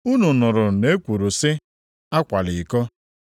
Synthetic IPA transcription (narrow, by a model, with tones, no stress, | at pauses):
u˦nu˨nʊ˨ɾʊ˨ne˦kʷu˨ɾu˨sɪ˦ | a˦kʷa˨lɪ˨kɔ˦